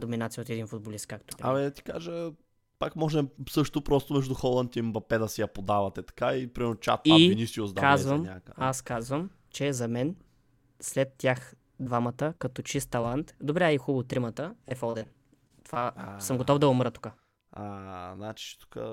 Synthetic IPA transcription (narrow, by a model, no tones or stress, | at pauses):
d̪ominat̪sijəot̪ɛd̪infʊd̪̚bolist̪̚kːak̚t̪opɾɐ̰mid̪ɐt̪i̥kaʒə | pakmɔʒɛmsɤʃt̪opɾɔst̪omɛʒd̪uxɔlˠɐnt̪imbɐpɛd̪ɐsɛjɐpod̪avɐt̪ɛt̪ɐ̥kaipɾimɛɾnʊt͡ʃa̰t̪ainisiozd̪aazvəmɲakaskazvəm | t͡ʃɛzɐmɛn | slɛt̪ːjax | d̪vamət̪əkɐt̪ɔt͡ʃist̪ːɐlˠant̪d̪obɾɛixubt̪ɾimət̪əɛfɔd̪ɛn | t̪ovasəmɡot̪ɔvd̪ɐomɾət̪u̥ka | aznat͡ʃi̥t̪u̥kə̰